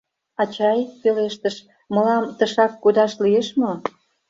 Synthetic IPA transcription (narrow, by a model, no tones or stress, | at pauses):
ɑt͡ɕɑjpeleʃt̪əʃ | mə̆lɑmt̪əʃɑkːud̪ɑʃlijeʃmo